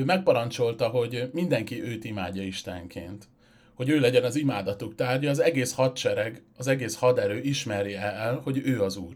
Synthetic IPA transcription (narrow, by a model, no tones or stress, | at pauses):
øːmɛk̚pɒɾɒnt͡ʃo̞lt̪ɒɦo̞ɟmind̪ɛŋkiʔøːt̪imaːɟːɒiʃt̪ɛ̰ŋkʰḛːnt̪ | ho̞ɟøːlɛɟɛnɒzimaːd̪ɒt̪ukt̪aːrɟɒːzɛɡeːshɒt̪t͡ʃɛɾɛɡɒzɛɡeːshɒd̪ɛɾøːʔiʃmɛɾjiɛɛlho̞ɟøːɒzuːr